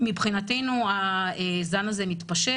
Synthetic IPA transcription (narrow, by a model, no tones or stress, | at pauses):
mibχinatejnuaezanaze̞mitpaʃe